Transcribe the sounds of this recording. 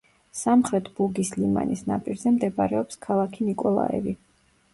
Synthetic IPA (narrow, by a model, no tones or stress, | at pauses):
samχɾɛt̪ʰb̥uɡislima̰nisna̰pʼiɾzɛmd̪ɛbaɾɛɔpskʰalˠakʰinikʼɔlˠa̰ɛ̰vi